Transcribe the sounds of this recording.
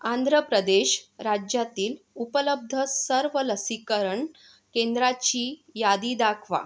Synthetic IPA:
and̪ʱɾəpɾəd̪eɕɾad͡ʑjat̪iːlupələb̚d̪ʱəsəɾʋələsikəɾəɳ | kend̪ɾat͡ɕiːjad̪iːd̪akʰʋa̰

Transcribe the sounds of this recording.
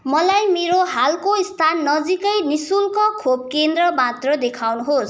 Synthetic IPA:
mʌlajmeɾoɦalkoist̪ʰanːʌd͡zikʌjnisulkʌkʰob̚kend̪rʌmat̪rʌd̪ekʰawnuɦos

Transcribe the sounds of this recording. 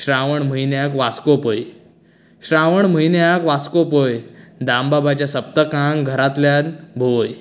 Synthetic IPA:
ɕɾaʋəɳm̤əinjakʋaskopəj | ɕɾaʋəɳm̤əjnjakʋaskopəjd̪ambabat͡ɕjasəpt̪əkãŋɡɡʱəɾat̪ljanbʱoj

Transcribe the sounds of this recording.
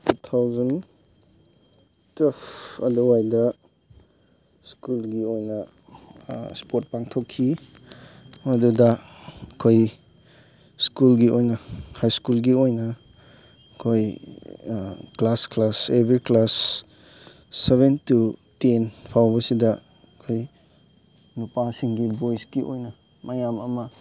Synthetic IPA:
tut̪ʰawzɐn | tepɐduwajdɐ | skulɡiojnɐ | spot̚paŋtʰokʰːi | mɐdudɐkʰoj | skulɡiojnɐhajskulɡiojnɐ | kʰoj | klasklasebɾiklas | eβentutenpʰawbɐsidɐ | kʰoj | nupasiŋɡibojsɡiʔo̰jnɐ | mɐjamɐmɐ

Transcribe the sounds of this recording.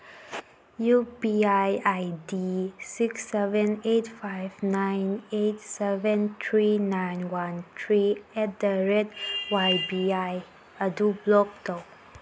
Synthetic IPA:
jubiajajdisiksɛvə̃netfajvnãɪnetsɛvə̃nt̪ʰɹinãjnwãnt̪ʰɹiɛt̚d̪əɹɛdwajbiaj | ədublɔk̚tɔ

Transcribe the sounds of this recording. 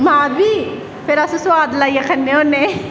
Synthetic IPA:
mãːbʱi | pʰeɾaːseswaːd̪laːiakʰɐnːeone

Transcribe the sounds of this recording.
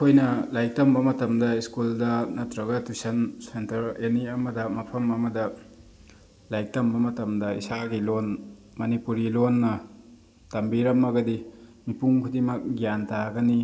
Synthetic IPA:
kʰojnɐlajk̚tɐmbɐmɐtɐmdɐiskuldɐnɐtɾɐɡɐtusɐnsentɐɾeniɐmɐdɐmɐpʰɐmɐmɐdɐ | lajk̚tɐmbɐmɐtɐmdɐḭsaɡilon | mɐnipuɾilonːɐ | tɐmbiɾɐmːɐɡɐdimipuŋkʰudimɐk̚ɡijantaɡɐni

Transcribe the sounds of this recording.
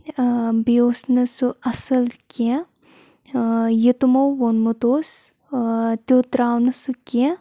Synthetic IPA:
bijoːsnɐsuʔɐsɐlkẽ | jit̪umɐwːonmut̪oːs | t̪ʲot̪ɾaːwnɐsukẽ

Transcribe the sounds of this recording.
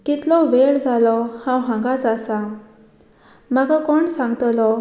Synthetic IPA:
kit̪lɔʋeɽd͡zalɔhãwɦãŋɡat͡sasa | maɡakɔɳsãŋɡt̪lɔ

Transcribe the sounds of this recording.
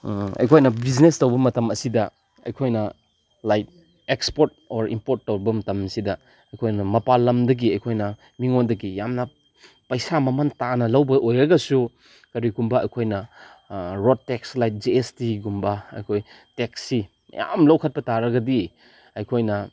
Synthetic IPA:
ɐ̰jkʰojnɐbiznestɐwbɐmɐtɐmɐsidɐ | ɐ̰jkʰojnɐ | lajt̚ | ekspoɾt̚oɾḭmpoɾtːɐwbɐmɐtɐmsidɐ | ɐjkʰojnɐmɐpalɐmdɐɡiɐjkʰojnɐ | miŋondɐɡijamnɐ | pɐjsamɐmɐntanɐlɐwbɐʔojɾɐɡɐsu | kɐɾiɡumbɐɐ̰jkʰojnɐ | ɾod̚tekslajt̚d͡ʒiestiɡumbɐɐ̰jkʰoj | teksi | ja̰mlɐwkʰɐt̚pɐtaɾɐɡɐdi | ɐjkʰojnɐ

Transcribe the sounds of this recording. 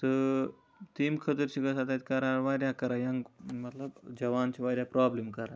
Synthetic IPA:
t̪ə | t̪iːmkʰət̪əɾɕikəsat̪at̪̚ʲkəɾaʋaɾjakəɾajãŋmət̪labd͡ʑɐʋant͡ɕiʋaɾjapɾɔblemkəɾa

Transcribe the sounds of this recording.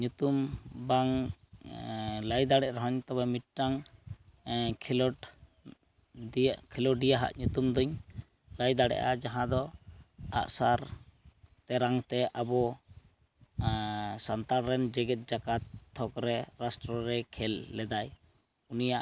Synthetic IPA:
ɲut̪umbaŋ | lajd̪aɽɛʔɾɔɦɔɲt̪abamit̪̚ʈaŋ | kʰlɔ | kʰɛlɔɖijaɦa̰ʔɲut̪umd̪ɔɲ | lajd̪aɽɛ̰ʔad͡ʒaɦãd̪ɔ | a̰ʔsaɾ | t̪ɛɾaŋt̪ɛʔabɔ | sant̪aɾɾɛnd͡ʒɛɡɛt̪̚d͡ʒakat̪ʰːɔkɾɛɾasʈɾɔɾɛkʰɛlːɛd̪aj | unijaʔ

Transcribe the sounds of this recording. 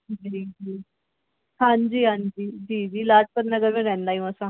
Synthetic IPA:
d͡ʒid͡ʒiː | hãɲd͡ʑiːɦãɲd͡ʑiːd͡ʑiːd͡ʑiːlad͡ʑpəɾnəɡəɾmẽɾɛ̃nd̪ajũəsa

